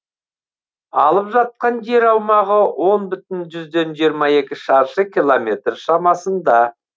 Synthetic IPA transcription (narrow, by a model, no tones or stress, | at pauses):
ɑlˠəpʒɑt̪̚qɑnde̞ɾɑwmɑʁəwʔo̞nbʏt̪ɪnʒʏzd̪e̞nʒijəɾmɑe̞kʲɪʃɑɾʃəkʲilˠomʲe̞t̪rʃɑmɑsənd̪ɑ